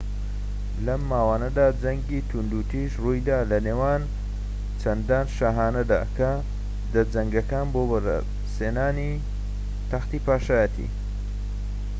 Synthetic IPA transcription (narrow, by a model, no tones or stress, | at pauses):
lɐmːaːwaːnɐd̪aːd͡zɐŋɡit̪ʰund̪uːt̪iʃrujd̪aːlɐneːwaːn | t͡ʃʰɐnd̪aːnʃaːɦaːnɐd̪a̰ːkʰɐ | d̪ɐd͡zɐŋɡɐkaːnboːbɐɾ̰ | seːnaːni | t̪ʰɐxt̪iːpaːʃaːjət̪ʰḭ